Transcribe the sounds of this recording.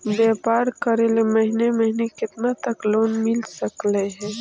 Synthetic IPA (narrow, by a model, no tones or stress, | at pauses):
beːpaːɾkəɾeleməɦineməɦinekɪt̪nat̪əkloːnmɪlsəkleɦɛ̃ː